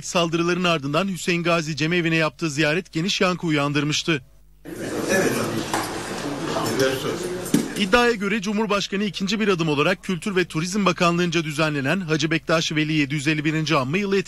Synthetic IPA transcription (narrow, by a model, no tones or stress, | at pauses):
t̪salˠd̪ɯɾɯlˠaɾɯnaɾd̪ɯnd̪anhysejnɡaːzid͡ʒe̞meːvinɛjap̚t̪ʰɯːzijaːɾɛt̪ɟe̞niʃjaŋkʰɯujand̪ɯɾmɯʃt̪ʰɯ | id̪ːaːjaɟø̞ɾɛd͡ʒumhuɾbaʃkanɯicʰind͡ʒibiɾad̪ɯmo̞lˠaɾak̚cʰːylʲt̪ʰyɾvɛt̪ʰuɾizmbakʰanlˠɯnd͡ʒad̪yzænlʲe̞nænɦad͡ʒibɛc̚d̪aʃve̞lʲije̞d̪ijyze̞lʲːibiɾind͡ʒiamːajɯlˠɯjet̪